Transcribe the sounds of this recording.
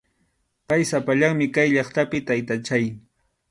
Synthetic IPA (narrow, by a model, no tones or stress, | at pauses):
pajsapaʎaŋmɪkajʎɑχt̪apɪt̪ajt̪at͡ʃaj